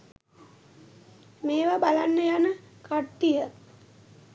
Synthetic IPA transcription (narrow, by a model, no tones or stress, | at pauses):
meːʋabalanːəjanəkaʈːijə